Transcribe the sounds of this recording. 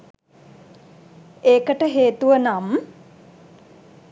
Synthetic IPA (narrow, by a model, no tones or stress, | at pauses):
eːkəʈəɦeːt̪uʋənam